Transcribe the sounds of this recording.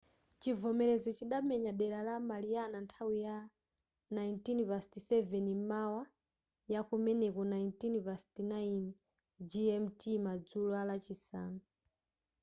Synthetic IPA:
t͡ʃivɔmɛlɛzɔt͡ʃiɗamɛɲaɗɛlalamalianantʰawija | najintinpastisɛvɛnimawa | jakumɛnɛkɔnaintinpastinain | d͡ʒijɛm̩timad͡zulualat͡ʃisa̰ːnɔ

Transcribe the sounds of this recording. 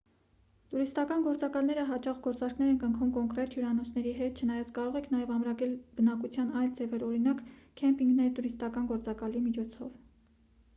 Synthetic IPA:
t̪uɾist̪ɑkɑnɡɔɾt͡sɑkɑlnɛɾəɦɑt͡ʃɑχɡɔɾt͡sɑɾkʰnɛɾɛnkəŋkʰumkɔŋkɾɛt̪juɾɑnɔt͡sʰnɛɾiɦɛt̪̚t͡ʃʰənɑjɑt͡sʰkɑɾɔʁɛkʰnɑjɛvɑmɾɑkɛlb̥ənɑkut͡sʰjɑnɑjld͡zɛvɛɾɔɾinɑkkʰɛmpiŋɡnɛjit̪uɾist̪ɑkɑnɡɔɾt͡sɑkɑlimit͡ʃʰɔt͡sʰɔv

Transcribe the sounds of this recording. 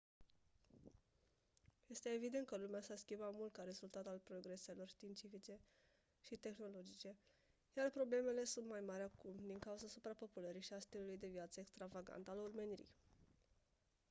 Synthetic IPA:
je̞st̪e̞ːvid̪ent̪kəlumeasaskʲimbamult̪̚kaɾe̞zult̪at̪alpɾo̞ɡɾe̞se̞lo̞rʃt̪iːnt̪sifit͡ʃe̞ | ʃit̪e̞xno̞lo̞d͡ʒit͡ʃe̞ | jarpɾo̞ble̞mele̞sunt̪majmaɾʲakumd̪iŋkauzasupɾapo̞puləɾiʃiast̪ilulujd̪e̞vjat̪səekst̪ɾavaɡa̰nt̪alurmeniɾḭj

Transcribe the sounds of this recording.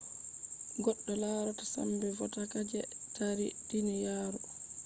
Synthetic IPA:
ɡɔɗːɔlaɾɔtasa̰mbɛvɔtakad͡ʒɛtʰaɾidinijaːɾɔ

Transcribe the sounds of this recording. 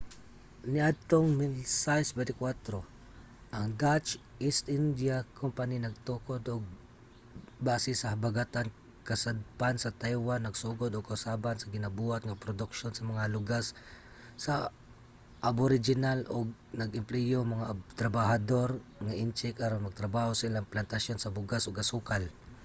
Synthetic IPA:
nɪʔad̪̚t̪oŋmɪsajsbɛt̪ɪkwat̪ɾo | ʔɐŋd̪at͡ʃʔist̪ʔɪnd̪jakʰompaninɐɡ̚t̪ukod̪oɡ̚ | baːsɪsɐhɐbaɡat̪an | kɐsad̪̚pansɐt̪ajwanːɐɡsuːɡod̪oɡ̚kaʊsabansɐɡɪnabuːhat̪ŋapɾod̪ʊkʃonsɐmɐŋalʊɡasː | ɐ | ʔaboɾɪd͡ʒɪnalʔoɡ̚nɐɡɪmplɛjomɐŋat̪ɾɐbahad̪oɾŋaʔɪnt͡ʃɪkʔaɾonmɐɡ̚t̪ɾɐbaːhosaʔilaŋplant̪asjonsɐbʊɡasoɡkɐsuːkal

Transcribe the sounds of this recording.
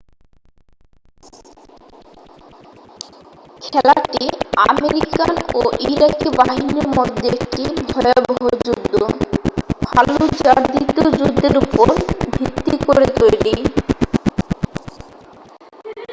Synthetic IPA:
kʰɛlaʈiameɾikanoʔiɾakebaɦiniɾmɔd̪ʱːeʈibʱɔeabɔɦod͡ʑud̪ʱːo | bʱa̰lod͡ʑaɾd̪it̪od͡ʑud̪ʱːeɾupoɾbʱit̪ːikoɾet̪ojli

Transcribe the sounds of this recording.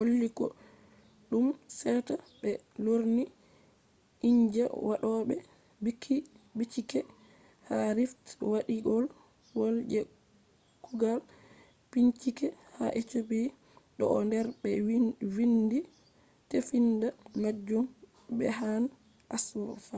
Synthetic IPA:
holːikɔ̰ | ɗumsɛta | bɛloɾni | iɲd͡ʒɛ̰waɗɔɓɛ | bikʰi | bit͡ʃikɛ | haɾiftwaɗiɡɔl | wold͡ʒɛ | kuɡal | piɲt͡ʃikɛ | haʔet͡ʃobi | ɗɔ̰ːndɛɾbɛwwindi | tefindamad͡ʒɔm | bɛ̰ɦan | ʔaswɔfa

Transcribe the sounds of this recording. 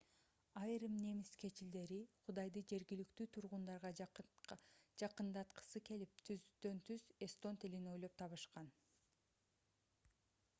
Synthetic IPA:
ɑjɾɯmne̞miskʰe̞t͡ʃild̪e̞ɾiqʰud̪ɑjd̪ɯd͡ʒe̞ɾɡilykt̪yːt̪ʰuɾʁund̪ɑɾʁɑ | d͡ʒɑqɯnd̪ɑt̪qɯ̥sɯke̞lip̚t̪ʰyd̪ø̞nt̪ʰyze̞st̪o̞nt̪ʰilino̞jlˠo̞p̚t̪ʰɑβɯʃqɑn

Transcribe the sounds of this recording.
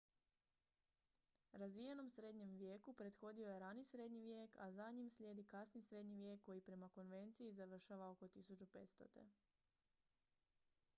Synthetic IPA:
ɾazʋijeno̞msɾe̞d̪ɲe̞mʋje̞kupɾe̞d̪xo̞d̪ioje̞ɾanisɾe̞d̪ɲiʋje̞ːkʰa̰zaɲimsʎʲje̞ːd̪ikasnisɾe̞d̪ɲiʋje̞ːkːo̞jipɾe̞mako̞nʋe̞nt̪sijizaʋr̩ʃaʋao̞ko̞t̪isut͡ɕupe̞t̪st̪o̞̰t̪e̞̰

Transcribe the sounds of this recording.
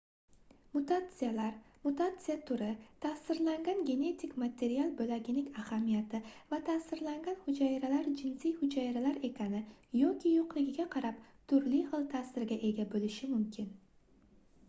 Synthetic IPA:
mʊt̪at̪sɨjalaɾmʊt̪at̪sɨjat̪ʰʊɾɪt̪ʰasɪɾlaŋɡʲanɡʲe̞ne̞t̪ʰɪkʲmat̪ʰe̞ɾialˠbolaɡʲɪnɪŋʲahamijat̪ɪvat̪ʰasɪɾlaŋɡʲanhʊd͡ʒajɾalaɾd͡ʒɪnsijhʊd͡ʒajɾalaɾe̞kʲʰanɪjɒkʲʰɪjoqlɪɡʲɪɡʲaqʰɑɾap̚t̪ʰʊɾlɪjhɨlˠt̪ʰasɪɾɡʲaʔe̞ɡʲabolɪʃɪmʊmkʲʰɪn

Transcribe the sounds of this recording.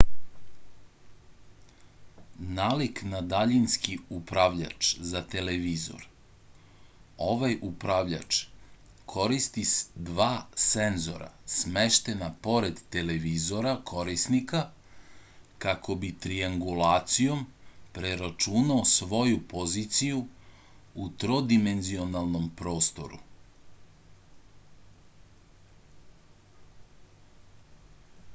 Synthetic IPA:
naːliknad̪aʎinskiupɾaʋʎa̰t͡ʂzat̪e̞leʋizo̰ɾ | o̞ʋajupɾaʋʎa̰t͡ʃ | kʰo̞ɾist̪isd̪ʋaːsenzo̞̰ɾa̰smeʃt̪enapo̞ɾed̪t̪e̞leʋizo̞ɾakʰo̞ɾisnika | kakʰo̞bit̪ɾiaŋɡulˠaːt̪sijo̞mpɾe̞ɾat͡ʃunaosʋo̞jupo̞zit̪siju | ut̪ɾo̞d̪ime̞nzio̞nalˠno̞mpɾo̞ːst̪o̞̰ɾṵ

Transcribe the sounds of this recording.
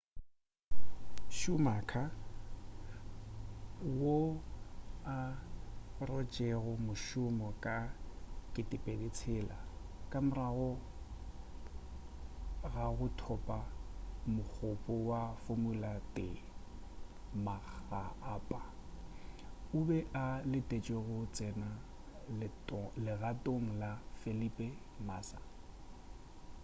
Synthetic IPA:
ʃʊmakʰa | wo | a | rɔt͡ʃʼeɣʊmʊʃʊmɔkʼakʼɪtʼɪpʼedet͡sʰɛla | kʼamʊraɣɔ | ɣaɣʊtʰɔpʼamʊk͡xʰʊpʼɔwafomʊlatʼɪ | maɣaːpʼa | ʊbɛʔalɪtʼet͡ʃʼeɣʊt͡sʼɛna | l | lɪɣatʼoŋ̩lafelipʼɛ | maːsa

